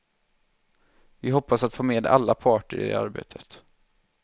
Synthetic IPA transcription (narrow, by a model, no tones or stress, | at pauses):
vɪɦɔpːasat̪foːmeːd̪a̰lːapʰɑːʈəɾɪ̰ḛa̰ɾbḛːt̪ʰət̪